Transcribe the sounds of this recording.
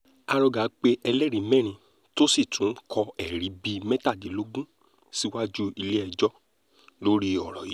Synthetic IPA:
a˧ɾɔ˧ɡa˨˦k͡pe˧˦ʔɛ˧lɛ˦˨ɾi˨˦mɛ̃˦˨ɾ̃ĩ˧ | to˦si˦˨tũ˨˦n̩˦kʰɔ˧ɛ˦˨ɾi˨˦bi˧mɛ˦ta˦˨di˨˦lo˦ɡũ˦ | si˦wa˦d͡ʒu˦i˧le˦ɛ˧d͡ʒɔ˦ | lo˦ɾi˦ɔ˨ɾɔ˨ji˨˦

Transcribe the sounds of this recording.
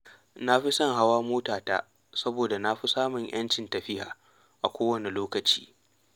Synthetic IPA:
na˦ɸi˦sɐ˦˨ŋɦa˦waː˦moː˦taː˨ta̰ː˦ | sɐ˦boː˨da˨na˦ɸi˦saː˦mʊ˨ɲj̰ʔɐ̰˦nt͡ʃɪ˨ntɐ˨ɸɪ˦ha̰ː˨ | ʔa˨kʷoː˦wɐ˦˨ni˨loː˦kɐ˨t͡ʃi̥̰ː˦

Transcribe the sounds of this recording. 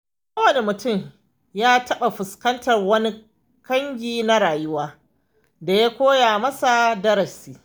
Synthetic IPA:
kaɐ˦wɐ˨ne˨mʊ˨tʊ˦˨m | jaː˦tɐ˦ɓa˨ɸʊ˨skɐ˦ntɐ˨rwɐ˦ni˦ | kɐ˦ŋɡʲiː˦na˦ɽaː˨jʊ˦waː˦ | da˨ja˦kʷoː˦jaː˨mɐ˦sa˨dɐ˦ɾɐ˨siː˦

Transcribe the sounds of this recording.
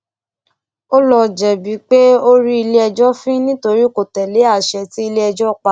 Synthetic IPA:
o˦lɔ˧d͡ʒɛ˨bi˨˦k͡pe˦o˦ɾi˦i˧le˦ɛ˧d͡ʒɔ˦fĩ˦nĩ˦to˧ɾi˦˨ko˨tɛ˨le˨˦a˦˨ʃɛ˧ti˦i˧le˦ɛ˧d͡ʒɔ˦˨k͡pa˨˦

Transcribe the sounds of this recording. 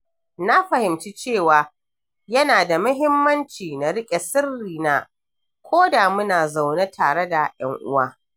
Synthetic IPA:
na˦ɸɐ˨hɪ˨mt͡ʃi˦t͡ʃeː˦˨waː˨ | jɐ˦naː˨da˨mʊ˦ɦɪ˦mːɐ˦nt͡ʃiː˨na˨ɽɪ˦kʲʼe˨sɪ˦rːiː˨naː˦ | kʷʰoː˦daː˨mʊ˦naː˨za˨wne˦tʰaː˨ɽe˦da˨jɐ˦ŋʔʊ̰˦waː˦

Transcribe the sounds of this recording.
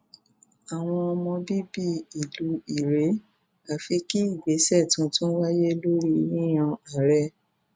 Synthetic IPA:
a˨w̃ɔ̃˧ɔ˧mɔ̃˧bi˦bi˦i˨lu˨˦i˨ɾe˨˦ | a˨fi˧ki˦i˦˨ɡ͡be˨˦sɛ˦˨tũ˧˦tũ˦n̩˦wa˦je˦lo˦ɾi˦i˧ɾĩ˦j̃ã˧a˨˦ɾɛ˦

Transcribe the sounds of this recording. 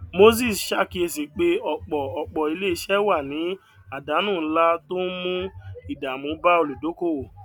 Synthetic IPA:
mo˦s̬i˦˨sʃa˦˨ki˧˦e˧si˨k͡pe˧ɔ˧˨k͡pɔ˨ɔ˨k͡pɔ˨i˧le˦i˧˦ʃɛ˦wa˦˨nĩ˨˦ | a˦˨da˨˦nũː˦˨˦la˦to˦n̩˦mũ˦i˨da˨mũ˨˦ba˦o˧lu˨do˨˦ko˦˨

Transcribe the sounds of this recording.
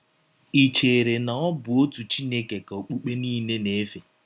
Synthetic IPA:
i˨t͡ʃe˨ɾe˨na˨ɔ˦bʊ˨o˦tu˨t͡ʃi˦ne˦ke˨ka˨o˨k͡pu˦k͡pe˦niː˦ne˦ne˦fe˨

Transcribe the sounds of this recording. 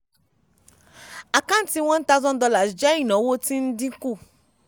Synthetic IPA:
a˨kã˦n˦ti˧w̃ɔ̃˦n̩˦ta˦zɔ̃˦n̩˦dɔ˧la˨sd͡ʒa˦i˦˨nɔ̃˨˦wo˦ti˦n̩˦dĩ˦ku˦˨

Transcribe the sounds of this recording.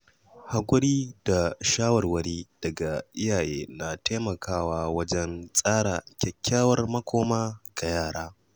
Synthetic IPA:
ha˨kʷʼʊ˦ɽiː˦da˨ʃaː˦wɐ˨rwɐ˦ɽiː˦d̥ɐ˨ɡa˨ʔɪ˦jaː˨jʔḛː˦na˨tʰeː˦mɐ˨kaː˦˨waː˦wɐ˦d͡ʒɛ˦nsʼaː˦ɽa̰ː˨kʲɛ˨kʲːaː˦wɐ˦rmɐ˦kʷoː˦maː˦ɡ̥a˨jaː˦˨ɽaː˦

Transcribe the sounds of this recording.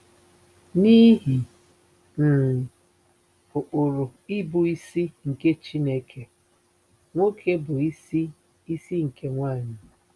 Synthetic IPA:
ni˦ɦi˨ | n̩˨ | ʊ˨ʔo˨ɾʊ˨i˦bʊ˨i˦si˦ŋ̩˨ke˦t͡ʃi˦ne˦kʰe˨ | ŋʷo˦kʰe˦bʊ˨i˦i˦ | i˦si˦ŋ̩˨kʰe˦ŋʷaː˦˨ɲɪ˨

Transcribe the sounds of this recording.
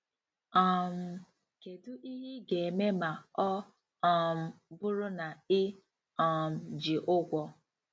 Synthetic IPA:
ɔ˨m̩˨ | ke˨dʊ˦ʔi˦ɦɪ˦ɡe˨e˨me˦ma˨ɔ˦ | ɔ˦˨m̩˨bʊ˦ɾʊ˦na˨ɪ˦ | ɔ˨m̩˨d͡ʒi˨ʔʊ˦ɡʷɔ˦

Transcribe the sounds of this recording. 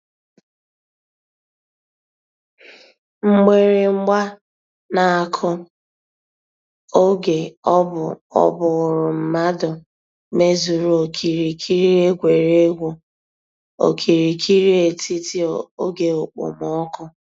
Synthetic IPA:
ŋ͡m̩˦ɡ͡be˨ɾe˨ŋ͡m̩˦ɡ͡ba˦ | na˨a˨kʰʊ˦ | o˦ɡe˨ɔ˦bʊ˨ɔ̰˦bʊ˨ɣʊ˨ɾʊ˨m̩˨ma˦dʊ˨ | me˦zu˨ɾu˨o˨kʰi˨ɾi˨kʰi˦ɾi˦e˦ɡʷe˨ɾe˦ɡʷo˨ | o̰˨kʰi˨ɾi˨kʰi˦ɾi˦e˨ti˦ti˦o˨o˦ɡe˨o˨k͡po̰˨mɔ˦kʊ˦

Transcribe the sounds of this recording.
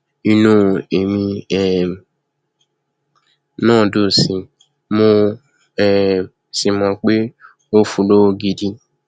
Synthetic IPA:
i˧nũ˧˦e˨mĩ˧ɛ˨ | nãː˦˨do˨sĩ˧ | mõ˧ | ɛ˨ | si˨mã˧k͡pe˦ | o˦fu˧lo˦wo˧ɡi˧di˧

